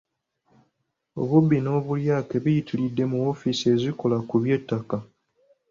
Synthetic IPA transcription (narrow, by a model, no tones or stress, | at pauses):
o̞̰βubːino̞ːβuljaːke̞βujitʰilidːe̞muofisie̞ziko̞lakuβje̞tːaka